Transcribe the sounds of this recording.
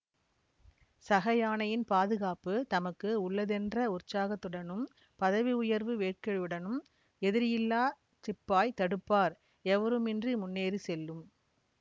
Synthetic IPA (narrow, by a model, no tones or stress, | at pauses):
sɐɣɐjaːnɐjɪnpaːðɯɣaːpɯt̪ɐmɐkːɯʊɭːɐðɛndrɐʊrt͡ʃːaːɣɐt̪ːɯɽɐnɯm | pɐðɐʋiʊjɐɾʋɯʋeːʈ̚kɐɻɯɽɐnɯm | ɛðɪɾɪjɪlːaː | t͡ʃɪpːaːjt̪ɐɽɯpːaːɾ | ɛʋɐɾɯmɛndrɯmʊnːeːɾɯsɛlːɯm